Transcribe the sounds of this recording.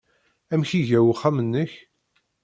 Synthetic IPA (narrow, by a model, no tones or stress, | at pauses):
æmçiʝæwχːæmənːəç